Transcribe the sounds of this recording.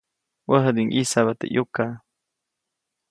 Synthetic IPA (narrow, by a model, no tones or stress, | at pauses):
wəɦəd̪iŋʔisaβat̪ḛʔjʔoka